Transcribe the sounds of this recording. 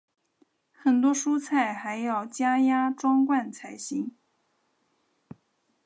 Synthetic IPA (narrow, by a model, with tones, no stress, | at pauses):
xə˨˩nt̪wɔ˥ʂu˥t͡sʰa˥˩ɪxa˧˥ɪjɑ˥˩ʊt͡ɕja˥ja˥ʈ͡ʂwɑ˥ŋkwa˥˩nt͡sʰa˧˩ɪɕi˧˥ŋ